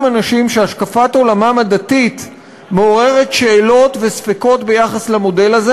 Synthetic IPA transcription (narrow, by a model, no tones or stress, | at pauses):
manaʃimʃeaʃkafato̞lamamadatit | meo̞ʁe̞ʁe̞tʃeːlo̞tvesfeko̞tbe̞jaχaslemo̞delaze